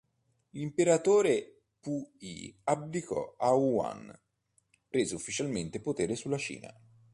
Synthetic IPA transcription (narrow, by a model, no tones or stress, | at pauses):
limpeɾat̪oːɾe | puḭablikɔ̰aua̰n | pɾeːzeufːit͡ʃalment̪epot̪eːɾesulːat͡ʃḭːna̰